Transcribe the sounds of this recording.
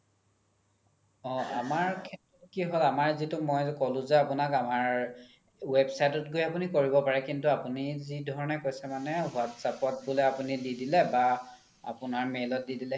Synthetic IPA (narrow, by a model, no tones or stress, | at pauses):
ɔ̃a̰maɹkʰɛtɹɔtkiɦolamaɹzitumɔjkɔlʊ̃zɛapʊnakamaɹ | websajtɔtɡojapunikoɹibɔpaɹɛkintuapunizidʱɔɹɔnɛkojsɛmanɛwatsapɔt̚bʊloapunididilɛba | a̰pʊnaɹmelɔt̚didilɛ